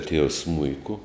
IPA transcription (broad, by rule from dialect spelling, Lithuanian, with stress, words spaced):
tʲiɛws ˈsmʊɪkʊ